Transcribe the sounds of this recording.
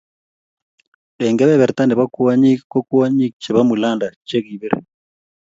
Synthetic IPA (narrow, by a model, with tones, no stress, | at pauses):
ɗɛ˨ŋɡɛ˦βɛ˦βɛ˨ɾt̪a˦nɛ˨βa˦ku˦wa˦ɲi˦ko˦ku˦wa˦ɲi˦k̚t͡ʃɛ˨βa˦mu˨la˦˨nda˨t͡ʃe˦ɣi˨βi˦ɾɛ˨